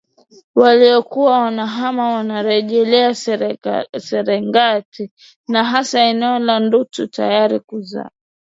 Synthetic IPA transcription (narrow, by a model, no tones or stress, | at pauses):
waliɔkuwawanaɦamawanaɾɛʄɛlɛa | sɛɾɛŋɡatʰi | naɦasaɛnɛɔlandututa̰jaɾikuza̰